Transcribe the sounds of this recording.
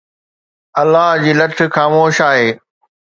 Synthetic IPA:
ɐlːaɦd͡ʑiːlɐʈʰɪ̆xaːmoːʃaːɦeː

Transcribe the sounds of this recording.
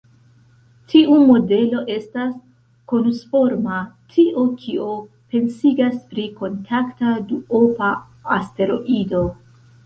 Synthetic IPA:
tʰiʔumo̞de̞lo̞ʔe̞stas | ko̞nsfo̞ɾmatʰiʔokʰio | pe̞nsiɡaspɾiko̞ntʰaktaduopaː | ste̞ɾo̞̰ʔido̞

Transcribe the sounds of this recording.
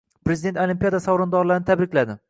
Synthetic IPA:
pɾezɪd̪et̪olimpijad̪asawɾɒnd̪ɒɾlaɾnɪt̪ʰabɾɪkʲlad̪ɪ

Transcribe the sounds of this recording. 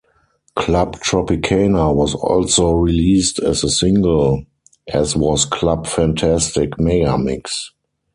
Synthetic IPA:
kʰlabtʰɹɔpɪkʰeɪnawɔsɔ̰lsoɹiliːstɛzəsɪ̃ŋɡəl | ʔɛswɔskʰlabfæ̃ntʰæstɪkmɛɡamɪ̰ks

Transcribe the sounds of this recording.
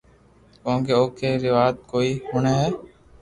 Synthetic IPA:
kõːŋkeːoːkeːɾɪʋaːt̪̚koːiːɦʊːɳeːɦɛː

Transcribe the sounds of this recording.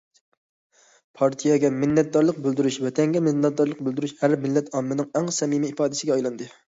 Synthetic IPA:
pʰɑɾt̪ʰijɑɡʲɛmɪnːɛt̪̚d̪ɑɾlˠəq̚bøld̪yɾyʃvɛt̪ʰɛŋɡʲɛmɪnɛt̪̚d̪ɑɾlˠəq̚bøld̪yɾyʃhæɾmɪlːɛt̪ʰɑmːɪnɨŋæŋsɛmimiːpɑːd̪ɪsɪɡʲɛɑjlˠɑnd̪ɨ

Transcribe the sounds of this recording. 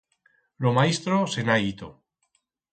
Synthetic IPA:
lomaist̪ɾosenait̪o̰

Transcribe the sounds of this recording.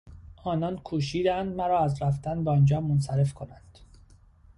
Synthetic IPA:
ʔɒːnɒːnkʰuːʃ̬iːd̪ænd̪mæɾɒːæzɾæft̪ænbɒnd͡ʒɒːmonsæɾe̞fkʰonænd̪̥

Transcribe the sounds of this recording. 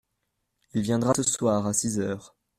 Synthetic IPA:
ilvjɛ̃d̪ʁasəswaːʁasizœːʁ

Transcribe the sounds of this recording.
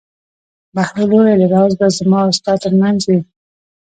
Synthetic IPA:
bahɾoloɾelaɾɑwzbazamɑast̪ɑt̪ːəɾmanzwi

